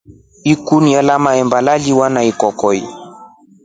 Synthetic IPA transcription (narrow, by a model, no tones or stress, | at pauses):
ikunialamaɛmbalaliwanaikɔkɔi